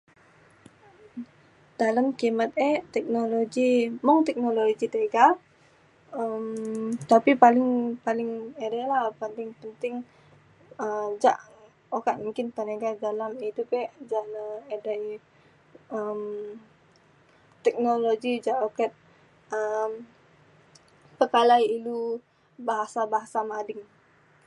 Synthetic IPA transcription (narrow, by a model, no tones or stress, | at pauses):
d̥alamkimat̪̚ɛt̪ɛk̚noloɡimɔŋt̪ɛk̚nololoɡit̪əɡa | əmt̪apipalɪŋpalɪŋedalapənt̪ɪŋpənt̪ɪŋ | əd͡ʒa̰ʔ | okaʔ̪̚muŋkɪnpəneɡadalamit̪upɛʔd͡ʒaʔnəeda | əm | t̪ɛk̚noloɡid͡ʒaʔokɛt̪̚ | əm | pəkalajilu | baɦasabaɦasamadɪŋ